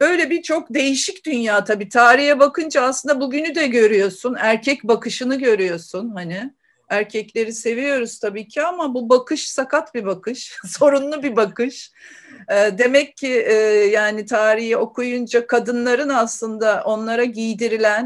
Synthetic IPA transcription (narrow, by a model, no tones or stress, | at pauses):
bø̞jlʲɛbit͡ʃʰo̞k̚d̪e̞jiʃicd̪ynjaːt̪ʰabiːt̪ʰaːɾihɛbakɯnd͡ʒaːslˠɯnd̪abuɟynyd̪ɛɟø̞ɾyjo̞sunæɾcʰɛcbakʰɯʃɯnɯɟø̞ɾyjo̞sunhanɪ | æɾcʰɛclʲe̞ɾise̞vijo̞ɾuz̥t̪ʰabiːcʰiamabubakʰɯʃsakat̪bibakʰɯʃso̞ɾunlˠubibakɯʃ | ɛːd̪e̞mɛcʰːɪʔjaːnit̪ʰaːɾihio̞kʰujund͡ʒakʰad̪ɯnlˠaɾɯnaslˠɯnd̪aʔo̞nlˠaɾaɟijd̪iɾilʲæn